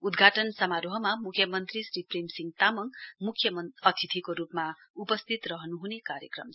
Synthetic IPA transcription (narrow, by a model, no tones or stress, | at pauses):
ud̪ɡʱaʈʌnsʌmaɾoɦʌmamukʰjʌmʌnt̪risriprimsiŋɡt̪amʌŋmukʰːjʌmʌʌt̪ʰit̪ʰikoɾupmaupʌst̪ʰit̪rʌɦʌnuɦunekaɾjʌkrʌ̰m